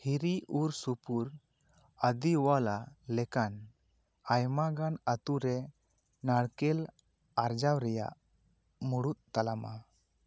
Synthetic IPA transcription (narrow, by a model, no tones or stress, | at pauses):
hiɾiʔuɾsupuɾ | əd̪iwalalɛkan | ajmaɡanət̪uɾɛ | naɽkɛl | aɾd͡ʒawɾɛja̰ʔ | muɽut̪̚t̪alama̰